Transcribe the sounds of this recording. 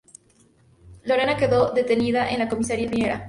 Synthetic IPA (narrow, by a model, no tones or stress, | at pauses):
lo̞ɾenake̞ðo̞ðe̞t̪e̞niðaʔenlako̞misaɾiapɾime̞ɾa̰